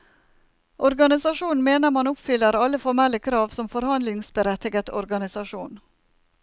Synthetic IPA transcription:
ʔɔɾɡɑnɪsɑʂuːnn̩meːnəɾmɑnʊpfʏlːəɾɑləfɔɾmɛlːəkʰɾɑːʋsɔmfɔɾhɑnd̪lɪŋsbəɾɛt̪ɪɡət̪ɔɾɡɑnɪsɑʂuːn

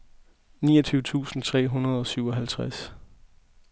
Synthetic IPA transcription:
niːʌt͡sʰyʊət͡sʰṵːsn̩t͡sʰʁɛ̰ːɦunɐð̞ˠɒ̽syʊɒ̽ɦælt͡sʰʁas

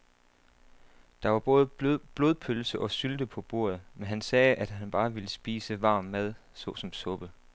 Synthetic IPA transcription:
d̥ɑ̈ʋɑ̈b̥ɔːð̞̩ˠb̥lo̝ðˠpʰølsəʔɒ̽syld̥əpʰɒ̽b̥o̝̰ːɐ̰ð̞̩ˠmenɦænsɛːʔæd̥ɦænb̥ɑ̈ːʋiləsb̥ḭːsəʋɑ̈ːmːæð̞̰ˠ | sɔ̰̽sɒ̽msɔ̽b̥ə

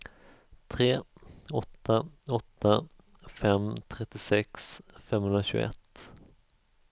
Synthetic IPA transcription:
t̪ʰɾeːɔt̪ːaɔt̪ːa | fɛmt̪ʰɾɛt̪ːɪsɛksfɛmːhɵnɾaɕʉ̰ːɛ̰t̪ː

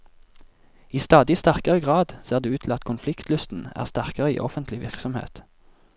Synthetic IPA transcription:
iːst̪ɑːd̪ɪst̪æʁkəʁəɡʁɑːd̪seːʁd̪eːʉːt̪ʰl̩ɑt̪kʰʊnflɪkt̪ʰlʉst̪n̩æ̰ːʁst̪æʁkəʁəḭːʔɔfənt̪ʰlɪʋɪʁksɔmhḛːt̪

